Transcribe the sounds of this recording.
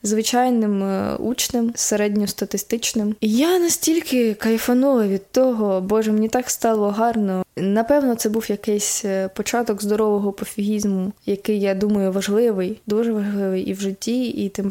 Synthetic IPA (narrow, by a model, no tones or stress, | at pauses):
zʋɪt͡ʃɑjnɪmṵt͡ʃnɪmseɾɛdʲnʲɔst̪ɐt̪ɪst̪ɪt͡ʃnɪmijanɐsʲtʲilʲkɪkɐifɐnulˠɐʋʲid̪t̪ɔɦɔbɔʒɛmenʲit̪ɑkst̪ɑlˠɔɦɑrnɔnɐpɛwnɔt̪sɛbuwjɐkɪjsʲpɔt͡ʃɑt̪ɔɡzd̪ɔɾɔʋɔɦɔpɔfʲiɦʲizmʊjɐkɪjːad̪umɐjʊʋɐʒlˠɪʋɪjd̪uʒɛʋɐʒlˠɪʋɪjʔiwʒɪtʲːiit̪ɪm